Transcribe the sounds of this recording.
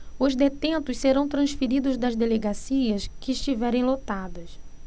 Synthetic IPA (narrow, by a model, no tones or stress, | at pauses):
ʊzd̪et̪ẽnt̪ʊsseɾɐ̃w̃t̪ɾɐ̃sfeɾid̪ʊzd̪ɐzd̪eleɡasiɐskɪːʃt͡ʃivɛɾẽj̃lot̪ad̪ɐs